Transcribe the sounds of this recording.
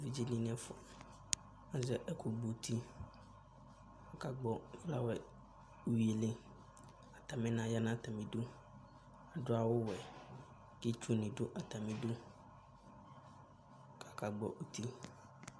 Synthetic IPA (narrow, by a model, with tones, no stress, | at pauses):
vi˦d͡ʑi˦nĩ˦n˦ɛ̃˦fɔ˨ | ã˦zɛ˦ʔɛ˦ku˨ɡ͡bo˨t̪ʰi˦ | a˨ka˨ɡ͡bɔ˦la˦wɛ˨ | u˨wi˨e˨lɪ˦ | a˨t̪a˨mɛ̃˦nã˦ja˦nã˦˨t̪a˨mĩ˨do˦ | a˨ɖʊ˦a˨wʊ˦wɛ˨ | ke˦t͡ʃu˦nĩ˨ɖʊ˦ʔa˨t̪a˨mĩ˨do˦ | ka˨ka˨ɡ͡bɔ̰˦ʔu˦t̪i˦